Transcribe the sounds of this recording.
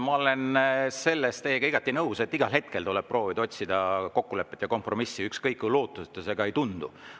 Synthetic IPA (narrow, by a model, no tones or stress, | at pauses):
mɑo̞le̞nse̞lːest̪eːeɡɑiɡ̥ɑt̪ːˑinɤwse̞t̪ːiɡɑlɦe̞t̪̚kelt̪uleb̥̚pro̞ːvid̪ɑo̞t̪ʲsid̪̥ɑko̞kːule̞pːˑet̪ʲjɑko̞mpro̞misːiykskɤjkːulo̞ːt̪ˑːuset̪ːˑeseɡ̥ɑejt̪und̪̥ṵ